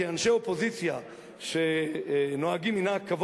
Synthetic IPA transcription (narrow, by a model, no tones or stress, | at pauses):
ianʃeopo̞zit͡sja | ʃenoaɡiminakːav